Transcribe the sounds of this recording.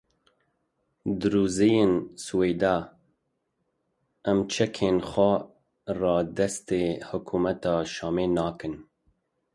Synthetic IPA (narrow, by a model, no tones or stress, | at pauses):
d̪ɨɾuːzejensuwejd̪ɑː | ɛmt͡ʃʰɛkʰeːnxʷɛ | rɑːd̪ɛst̪eːhʊkʰuːmɛt̪ɑːʃɑːmeːnɑːkɨn